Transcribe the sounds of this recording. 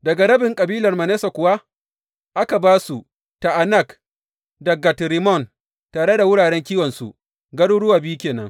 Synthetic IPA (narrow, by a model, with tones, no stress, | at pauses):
dɐ˨ɡa˨ɾɐ˦bɪ˨ŋkʼɐ˨biː˦lɐ˨rmɐ˨neː˦sa˨kʷʊ˨wa˦ | ʔa˦ka˨baː˦su˨ | ta˨ʔa˨nɐ˦˨k | dɐ˨ɡa˨tɾi˨mɔ˦˨n | taː˨ɽe˦da˨wʊ˦ɽaː˨ɽɛ˦ŋkʲiː˦wɐ˨nsṵ˨ | ɡɐ˦ɽu˦ɽʊ˦waː˨bi˦kʲeː˨nɐ̰˦ŋ